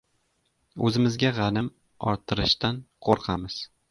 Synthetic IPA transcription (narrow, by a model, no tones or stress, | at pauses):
ɵzɪmɪzɡʲaʁɑnɪm | ɒɾt̪ʰɪɾɪʃt̪anqʰoɾqʰamɪz̥